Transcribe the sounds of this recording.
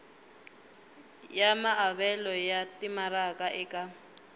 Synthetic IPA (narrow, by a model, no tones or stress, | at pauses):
jamaaβɛlɔjatimaɾakʼaʔɛkʼa